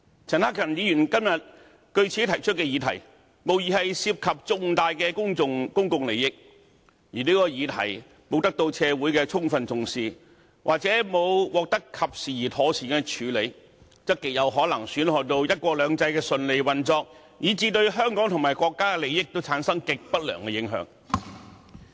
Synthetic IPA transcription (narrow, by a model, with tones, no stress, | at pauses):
t͡sʰɐ˨˩nhaː˥kʰɐ˨˩njiː˨˧jyː˨˩nkɐ˥mjɐ˨t̚ | kɵ˧ɥt͡sʰiː˨˥t̪ʰɐ˨˩jt͡ʃʰɵ˥t̚kɛ˧jiː˨˧t̪ʰɐ˨˩j | mo˨wjiː˨hɐ˨jsiː˧p̚kʰɐ˨p̚t͡sʊ˨ŋt̪aː˨jkɛː˧kʊ˥ŋʊ˧ŋkʊ˥ŋkʊ˨ŋle˨˧jɪ˥k̚ | jiː˨˩niː˥kɔː˧jiː˨˧t̪ʰɐ̰˨˩j | mo˨˧wt̪ɐ˥k̚t̪o˧wt͡sʰɛː˧wuː˨˥jkɛː˧t͡sʰʊ˥ŋfɐ˧nt͡sʊ˨ŋsiː˨ | wʔa̰ː˨k̚t͡sɛ˨˥mo˨˧wwɔː˨˧k̚t̪ɐ˥kʰːɐ˨p̚siː˨˩jiː˨˩t̪ʰɔː˨˥sʰiː˨kɛ˧t͡ʃʰyː˨˧le˨˧j | t͡sɐ˥tkːɪ˨k̚jɐ˨˧wɦɔː˨˥lɐ˨˩ŋsyː˨˥nhɔː˨t̪o˧wjɐ˥t̚kʷɔː˧lœː˨˧ŋt͡sɐ˧jkɛː˧sɵ˧nle˨˧jwɐ˨nt͡sɔː˧k̚ | jiː˨˧t͡siː˧t̪ɵ˧ɥɦœː˥ŋkɔː˨˥ŋt̪ʰʊ˨ŋmaː˨˩jkʷɔː˧kːaː˥kɛ˧le˨˧jɪ˥k̚t̪o˥wt͡sʰaː˨˥nsɐ˥ŋkɪ˨k̚pɐ˥t̚lœ̰ː˨˩ŋkɛ˧jɪ˨˥ŋɦœ̰ː˨˥ŋ